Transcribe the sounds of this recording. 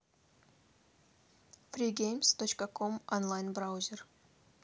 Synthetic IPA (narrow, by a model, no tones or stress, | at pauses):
fɾiɡʲejmst̪ot͡ɕkəkʰomonlˠajnbɾawzʲer